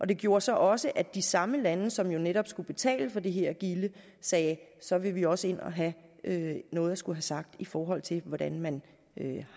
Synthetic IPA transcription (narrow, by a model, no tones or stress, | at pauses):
ʔɒ̽d̥e̝ɡ̥jo̝ːɐsɒ̽ʔɒ̽səʔæd̥isɑ̈məlænəsɒ̽mjo̝neɾ̥ɒ̽b̥sɡ̥ub̥e̝t͡sʰɛ̰ːləfɒ̽d̥e̝ɦeɐ̰ɡ̥ilə | sɛːsɒ̽ʋe̝ʋiɒ̽səe̝n̰ɒ̽ɦæʔønɔ̽ːð̞̩ˠdɑsɡ̥uɦæsɑ̈ɡ̥̚d̥ifɒːɦɒ̽l̰t͡sʰe̝lʋɒd̥ænmæn | ø